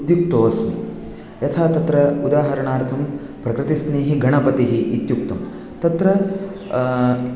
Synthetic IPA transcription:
d̪juk̚t̪oːsmi | jɐt̪ʰaːt̪ɐt̪ɾɐud̪aːɦɐɾɐɳaːɾt̪ʰɐm | pɾɐkɾɪt̪isneːɦiɡʱɐɳɐpɐt̪iɦiʔːt̪jukt̪ɐm | t̪ɐt̪ɾɐ

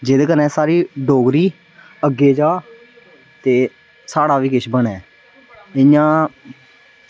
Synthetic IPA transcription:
d͡ʒeːd̪ekənɛ̃ːsaːɾiːɖoːɡɾiː | əɡeːd͡ʒaː | t̪eː | saːɽaːʋiːkɪʃbəɳɛː | ɪjãː

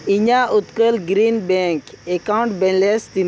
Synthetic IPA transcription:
iɲaʔut̪kəlɡɾinbɛ̃ŋkekaw̃ɳʈbɛ̃nlest̪in

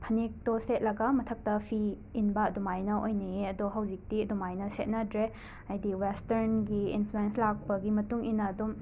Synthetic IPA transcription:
pʰɐnek̚toset̚lɐɡɐmɐtʰɐk̚tɐpʰiː | nbɐːdumajnɐʔojnɐjeɐdoɦɐwd͡ʒik̚tiɐdumajnɐset̚nɐdɾe | ɐjdiwesteɾnɡiḭnfʰluenslak̚pɐɡimɐtuŋinːɐːdum

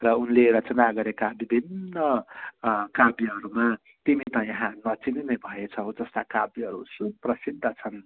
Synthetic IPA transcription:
rʌunleɾʌt͡sʌnaɡʌɾekabibʱinːʌ | kabjiɦʌɾuma | t̪init̪ʌjʌɦãnʌt͡sininʌjbʱʌjet͡sʰʌɦod͡zʌst̪akabiɦʌɾṵsuprʌsid̪ʱːʌt͡sʰʌn

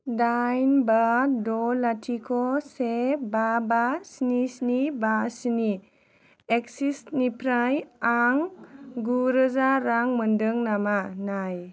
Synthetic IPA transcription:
dajnbadɔlatʰikʰɔsebabasinisnibasini | eksisnipʰɾajaŋɡuɾəzaɾaŋmɯndɯŋnamanaj

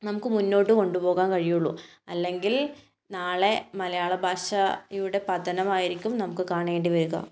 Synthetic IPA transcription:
nɐmukːɨmunːo̞ːʈːɨko̞ɳɖupo̞ːɣaːnkɐɻijuɭːu | ɐlːe̞ŋɡil | naːɭe̞mɐlɐjaːɭɐbʱaːɕɐjuɽe̞pɐd̪ɐnɐmaːjiɾikʲːumnɐmukːɨkaːɳeːɳɖiʋɐɾuɣɐ̰

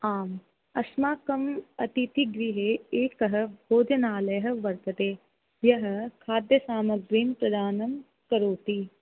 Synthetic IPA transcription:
aːm | ɐsmaːkɐmɐt̪it̪iɡɾiɦeeːkɐɦɐ̆bʱoːd͡ʒ̪ɐnaːlɐɦɐ̆ʋɐɾt̪ɐt̪eː | jɐɦ̆kʰaːd̪jɐsaːmɐɡɾiːnpɾɐd̪aːnɐm | kɐɾoːt̪i

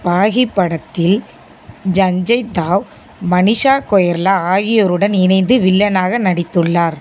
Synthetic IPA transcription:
paːɣɪpːɐɽɐt̪ːɪl | d͡ʒɐɲd͡ʒɐɪt̪ːaːʋ | mɐnɪʂaːkɔjɐɾlɐaːɣɪjɔɾɯɽɐnɪnɐɪnd̪ɯʋɪlːɐnaːɣɐnɐɽɪt̪ːɯɭːaːɾ

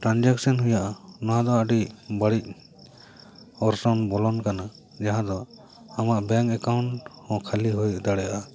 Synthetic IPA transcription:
ʈɾand͡ʒaksɔnɦujaʔanɔɦãd̪ɔaɖibəɽic̚ˀ | ɔɾsɔnbɔlɔnkana | d͡ʒaɦãd̪ɔ | amaʔbɛŋkɛkawɳʈhɔ̃kʰaliɦujd̪aɽɛjaʔa

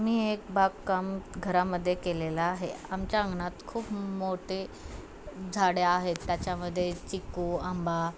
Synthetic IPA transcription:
amiːek̚bakkəmɡʱəɾaməd̪ʱːjekelelaːɦeamt͡ɕjaəŋɡɳat̪kʰuːpmoʈe | d͡zʱaɽeaɦet̪ːjat͡ɕjaməd̪ʱːjet͡ɕikuamba

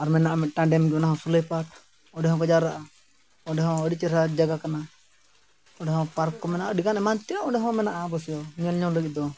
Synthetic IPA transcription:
aɾmɛnːaʔamɛt̪̚ˀʈaɖɛmɡɛnaɦɔ̃sulepat̚ | ɔɖɛɦɔ̃kɔd͡ʒaɾaʔa | ɔɖɛɦɔ̃əɖit͡ʃɛɾɦad͡ʒaɡakana | ɔɖɛɦɔ̃paɾkɔmɛnaʔaɖikanɛmant̪iɾaɔɖɛɦɔ̃mɛnaʔabɔsɛjɔɲɔnɲɔŋɾəɡit̪̚d̪ɔ

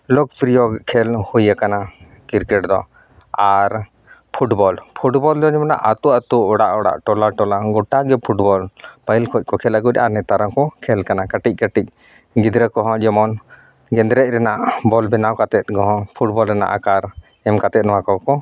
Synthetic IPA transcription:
lɔk̚pɾijɔɡkʰɛlhujakana | kiɾkɛʈd̪ɔ | aɾ | pʰuʈbɔlpʰuʈbɔld̪ɔd͡ʒɛmɔna̰ʔat̪uat̪uɔɽaʔɔɽa̰ʔʈɔlaʈɔlaɡɔʈaɡɛpʰuʈbɔlpailkʰɔc̚kɔkʰɛlaɡuc̪̚ʔa̰ʔanɛt̪aɾaŋkɔkʰɛlkanakaʈic̚ˀkəʈic̚ | ɡid̪ɾəkɔɦɔ̃d͡ʒɛmɔn | ɡɛnd̪ɾɛc̪̚ɾɛnaʔbɔlbɛnawkat̪ɛt̪̚ɡɔ̃ɦɔ̃pʰuʈ̚bɔlɾɛna̰ʔa̰kaɾ | ɛmkat̪ɛt̪̚nɔwakɔkɔ

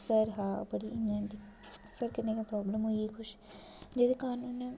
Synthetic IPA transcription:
sɐɾɦaːbɐɽiɪ̃nand̪i | səɾkɐnẽkãpɾɔːbləmɦʊiixʊʃ | d͡ʒeːd̪ekaːnuːn

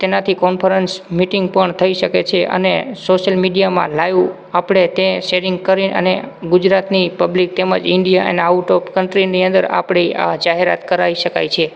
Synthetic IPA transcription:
t̪enat̪ʰikɔnpʰəɾənsmiʈiŋɡ̚pəɳt̪ʰəiʃəket͡ʃʰeʔə̰nesoʃəlmiɖijamã̰lajʋ | apɽet̪eʃeɾɪŋɡkəɾinʔə̰neɡʊd͡ʒɾat̪nipəblik̚t̪emə̰d͡ʒɪɳɖijaʔə̰neauʈopkəɳʈɾiniənd̪əɾa̰pɳ̃iad͡ʒaɦeɾa̰t̪kəɾaiʃəka̰jt͡ʃʰe

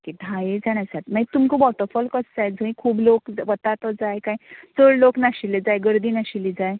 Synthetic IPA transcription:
kiɖʱajed͡zaɽ̃asat̪mait̪umkubɔʈəɾfɔlkət͡sd͡zajd͡zʱə̃ĩkʰuːblokʋət̪at̪ɔd͡zajkajt͡səɽloknaɕiled͡zajɡəɾd̪iːnaɕilid͡zaj

